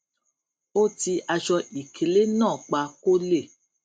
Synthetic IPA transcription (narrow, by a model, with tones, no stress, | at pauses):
o˦ti˧a˧ʃɔ˧i˨kʰe˨le˦nɔ̃ː˦˨k͡pa˧ko˦le˦˨